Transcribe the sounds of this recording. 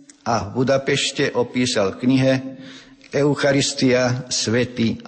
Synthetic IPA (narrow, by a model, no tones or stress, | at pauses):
avbud̪apɛʃcɛʔɔpiːsalkɲiɦɛ | ɛʊxaɾist̪iasʋɛt̪i